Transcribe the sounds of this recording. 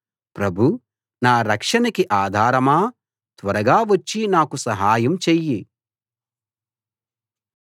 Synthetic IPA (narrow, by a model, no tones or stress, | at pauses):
pɾɐbʱu | naːɾɐkʂɐnɐkiʔaːd̪ʱaːɾɐmaː | t̪ʋɐɾɐɡaːʋɐt͡ʃːinaːkusɐɦaːjɐmt͡ʃejːi